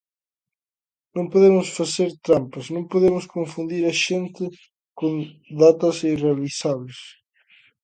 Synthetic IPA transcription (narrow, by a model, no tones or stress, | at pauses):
nõŋpoðemʊsfaseɾt̪ɾampɐsnõŋpoðemʊskoɱfund̪iɾɐʃent̪ɪ | kõnd̪at̪ɐsirealisaβles